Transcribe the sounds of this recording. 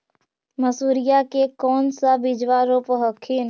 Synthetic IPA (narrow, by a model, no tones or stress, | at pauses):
məsuːɾijakekɔːnsabɪd͡ʒʋaɾoːpɦəkʰin